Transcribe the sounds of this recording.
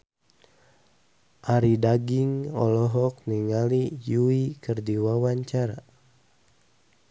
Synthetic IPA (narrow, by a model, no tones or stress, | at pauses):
ʔaɾidaɡiŋɔ̰lɔɦɔk̚niŋalijuikɨrdiwawaɲt͡ʃaɾa